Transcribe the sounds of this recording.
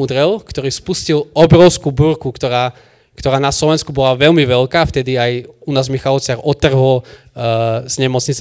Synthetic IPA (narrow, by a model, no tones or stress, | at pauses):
ud̪ɾɛlkt̪ɔɾiːspuscilɔbɾɔʊskubuɾkukt̪ɔɾaː | kt̪ɔɾaːnaslɔʋɛnskubɔlaʋɛʎmiʋɛʎkaːft̪ɛd̪iajunaːzmixalɔt͡sɪaɾʔɔt̪ːr̩ɦɔl | z̥ɲɛmɔt͡sɲit͡s